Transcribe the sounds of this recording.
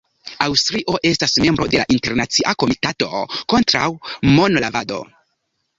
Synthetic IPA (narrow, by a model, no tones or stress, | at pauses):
awstɾiʔo̞ʔe̞stasme̞mbɾo̞de̞la̰ʔinte̞ɾnat͡siʔako̞mitato̞ko̞ntɾa̰wmo̞nlavado̞̰